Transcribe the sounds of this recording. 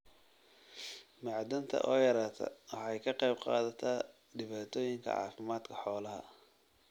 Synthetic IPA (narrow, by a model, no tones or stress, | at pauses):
mɑʕd̪ɐnt̪ʰɐ̰ʔɔːjɐɾaːt̪ʰɐ̰wɑħɑjkʰɐqɑjbqɑ̰ːðɐt̪ʰa | ɖɪβaːt̪ʰɔːjɪŋkʰɐ̰ʕɑ̰ːfɪmaːd̪kʰɐħɔːlɐɦɐ̰